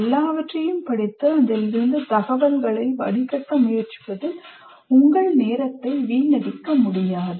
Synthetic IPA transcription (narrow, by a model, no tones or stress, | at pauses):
ɛlːaːʋɐʈrɐjɯmpɐɽɪt̪ːɯɐðɐlɪɾɯnd̪ɯt̪ɐɣɐʋɐŋɡɐɭɐɪʋɐ̰ɽɪkɐʈːɐmʊjɐrt͡ʃɯ̥pɐðɪl | ʊŋɡɐɭneːɾɐt̪ːɐɪʋiːnɐɽɪkːɐmʊɽɪjaːðɯ